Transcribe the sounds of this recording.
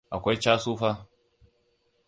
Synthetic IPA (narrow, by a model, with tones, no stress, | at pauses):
ʔa˨kʷa˦jt͡ʃaː˦suː˦ɸaː˦